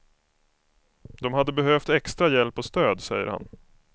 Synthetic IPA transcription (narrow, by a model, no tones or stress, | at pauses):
d̪ɔmhad̪ːəbɛɦøft̪ɛkst̪ɾajɛlpɔst̪øːd̪sɛ̰jːə̰ɾha̰n